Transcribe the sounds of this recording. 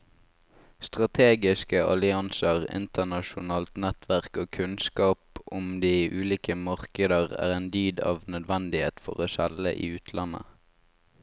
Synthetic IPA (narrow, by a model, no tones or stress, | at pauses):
st̪ʁɑt̪ʰeːɡɪskəʔɑ̰lɪɑnsəʁɪ̰nt̪ənɑʃʊnɑːlt̪nɛt̪ʰʋæʁkoːkʰʉnskɑːpʊmd̪iːʔʉːliːkəmɑʁkəd̪əʁæ̰ːʁeːnd̪yːd̪ɑ̰ːʋnœd̪ʋænd̪ɪhḛːt̪fɔ̰ʁoːsælə̰ʔḭːʉːt̪ʰlɑnə̰